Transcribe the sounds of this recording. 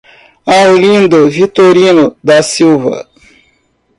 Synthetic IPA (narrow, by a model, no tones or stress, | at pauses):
ãwlĩnd̪ovit̪oɾinod̪asiwva̰